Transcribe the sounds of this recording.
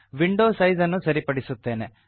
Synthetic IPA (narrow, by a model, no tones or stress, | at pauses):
ʋiɳɖoːsɐjzɐnːusɐɾipɐɽisut̪ːe̞ːne